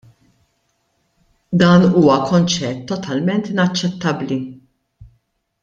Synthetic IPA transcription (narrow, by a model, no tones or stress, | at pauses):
d̪ɐːnuːwɐkɔnt͡ʃɛt̪ːɔt̪ʰɐlmɛnt̪ɪnɐt͡ʃːɛt̪ːɐbli